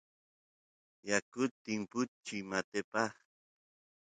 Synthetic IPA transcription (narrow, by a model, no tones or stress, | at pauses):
jakʊt̪ːɪŋpʊt͡ʃimat̪epɑχ